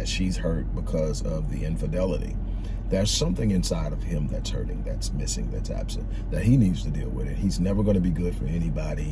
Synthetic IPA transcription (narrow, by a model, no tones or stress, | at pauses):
ɨz̥ʃiz̥hɜ˞t̚b̥əkʰʌzʌvðiɪ̃ɱfɨdɛlˠəɾḭ | ðə˞z̥sʌ̃mθɪ̃ŋɨ̃nsaɪɾʌv̥ɪ̃mðɨtshɜ̰˞ɾɪ̃ŋðætsmɪsɪ̰̃ŋðɨ̰tsæ̰b̥sɨ̰̃n | ðɨt̚hinidz̥tʰɨdilˠwɪ̰ðɨ̰t̚hiznɛvə˞ɡʌñɨbiɡʊd̥fə˞ɛnibɑɾi